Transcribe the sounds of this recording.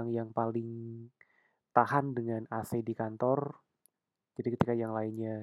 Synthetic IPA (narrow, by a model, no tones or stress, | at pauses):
ŋjaŋpalɪŋ | t̪ahandəŋanasedikant̪ɔr | d͡ʒadikət̪ikajaŋlainɲa